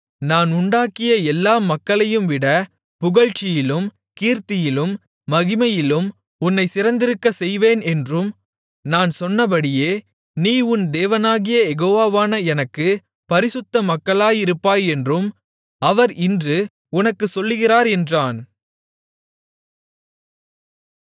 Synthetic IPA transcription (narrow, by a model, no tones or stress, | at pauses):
naːnʊɳɖaːkɪjɐɛlːaːmɐkːɐɭɐjɯmʋɪɽɐ | pʊɣɐɻt͡ʃːɪjɪlɯm | kiːɾt̪ɪjɪlɯmː | ɐɣɪmɐjɪlɯm | ʊnːɐɪsɪɾɐnd̪ɪɾɯkːɐsɛjʋeːnɛndrɯm | naːnsɔnːɐp̬ɐɽɪjeː | niːʊnd̪eːʋɐnaːɣɪjɐjɛɣoːʋaːʋaːnɐɛnɐkːɯ | pɐɾɪsɯt̪ːɐmɐkːɐɭaːjɪɾɯpːaːjɛndrɯm | ɐʋɐɾɪndrɯ | ʊnɐkːɯsɔlːɯɣɪraːɾɛndraːn